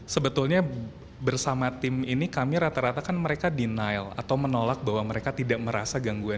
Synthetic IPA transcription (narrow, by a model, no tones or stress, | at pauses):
səbət̪ulɲa | bərsamat̪ɪminikamiɾat̪aɾat̪akanməɾekadinajla̰t̪awmənolak̚baɦwaməɾekat̪idaʔməɾasaɡaŋɡua